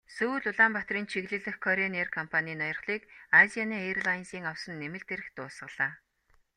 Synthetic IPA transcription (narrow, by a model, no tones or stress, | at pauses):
sɵɮʊɮaːmpat̪riːnt͡ɕʰiɣɮɘ̆ɮɘ̆xkʰɔɾenerkʰɔmpʰaniːnɔjɞ̆rχɮiːkazianiːerɮajnsiːŋawsə̆nːemɘ̆ɮt̪eɾɘ̆xt̪ʊːsə̆ɮ̥aː